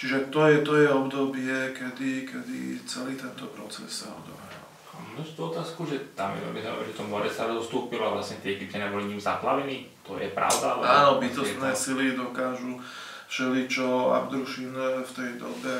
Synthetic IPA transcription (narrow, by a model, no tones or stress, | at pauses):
t͡ʃiʒɛt̪ɔjɛt̪ɔjɛɔbd̪ɔbɪɛkɛd̪ikɛd̪ḭt͡sɛliːt̪ɛnt̪ɔpɾɔt͡sɛ̰ssaɔ̰d̪ɔ̰ʋɾa̰l | amnɔst̪uːɔt̪aːskuʒɛt̪amjɛ̰ɔ̰bɛzaɔ̰ʒɛt̪ɔmɔɾɛsaɾd̪ɔst̪uːpilɔaʋlasɲɛt̪ɪɛkip̚cɛnɛbɔliɲiːmzaplaʋɛniːt̪ɔjɛ̰pɾa̰ʊd̪aalɛaːnɔbit̪ɔst̪nɛːsilid̪ɔkaːʒu | fʃɛlit͡ʃɔa̰bd̪ɾuʃinft̪ɛjd̪ɔ̰bɛ